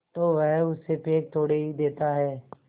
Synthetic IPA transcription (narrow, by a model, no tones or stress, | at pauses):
t̪oːʋɛɦʊsepeːk̚t̪ʰoːɽeɦid̪eːt̪aɦɛː